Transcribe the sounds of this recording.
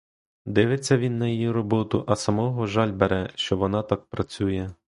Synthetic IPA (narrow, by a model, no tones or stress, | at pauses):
d̪ɪʋɪt͡sʲːɐʋʲinːɐjijiɾɔbɔt̪ʊʔɐsɐmɔɦɔʒɑlʲbeɾɛʃt͡ʃɔʋɔnɑt̪ɑk̚pɾɐt͡sʲujɛ